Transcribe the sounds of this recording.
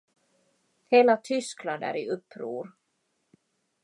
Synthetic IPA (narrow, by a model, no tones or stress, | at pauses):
hɛːlat̪ʰʏskland̪a̰ɾiʏpːɾṵːɾ̥